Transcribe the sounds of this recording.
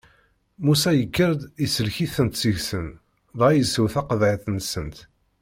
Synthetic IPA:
musæjəkːəɾd̪isəlçiθənt̪siʝsən | ðˤʁɑjəsəwθæqəðʕiθnsənt̪

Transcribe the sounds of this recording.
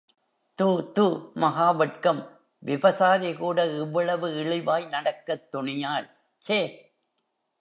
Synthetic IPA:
t̪ut̪umɐɦaːʋɐʈ̚kɐm | ʋɪʋɐsaːɾɐkuːɽɐɪʋːɐɭɐʋɯɪɭɪʋaːjnɐɽɐkːɐt̪ːʊɳɪjaːɾ | t͡ʃeː

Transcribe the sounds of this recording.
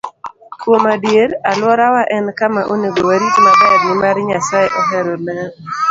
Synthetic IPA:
kwomadjeɾalwɔɾawaʔɛnkamaʔoneɡowaɾikmaɡɔdmɪmaɾɲasajeʔɔɦɛɾɔmɛn

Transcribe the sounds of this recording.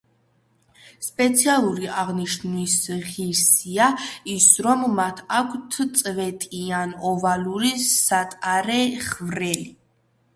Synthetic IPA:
spʼɛt̪sʰialˠuɾiaʁniʃnwisʁiɾsiaisɾɔmːat̪ʰakʷʰt̪ʰt̪sʼvɛt̪ʼianɔvaluɾiat̪ʼaɾɛχvɾɛli

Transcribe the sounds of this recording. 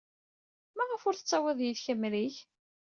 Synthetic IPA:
mæʁəfʊɾθə̥t͡sːæwæðjiðçəmːɾiç

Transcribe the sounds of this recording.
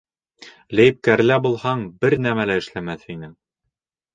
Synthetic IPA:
læjɘ̆p̚kæɾ̆læbulˠhɑɴbɘɾnæmælæɘ̆ʃlæmæθhinɘŋ

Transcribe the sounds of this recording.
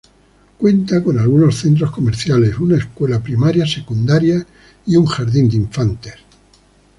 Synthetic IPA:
kwe̞nt̪ako̞nalɣuno̞sθe̞nt̪̬ɾo̞sko̞meɾθjale̞sunaeskwe̞lapɾimaɾjase̞kund̪aɾja | iuŋxaɾðind̪iɱfant̪eɾ

